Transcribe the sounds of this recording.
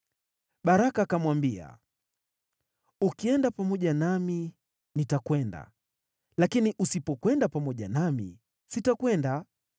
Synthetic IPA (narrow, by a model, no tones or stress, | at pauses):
ɓaɾakakamwambia̰ | ukiɛndapamɔʄanami | nitakwɛnda̰ | lakiniʔusipɔkwɛndapamɔʄanamḭ | sitakwɛnda